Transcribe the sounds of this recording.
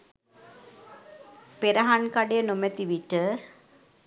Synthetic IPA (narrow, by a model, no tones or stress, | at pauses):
peɾəɦankaɖejənomɛt̪iʋiʈə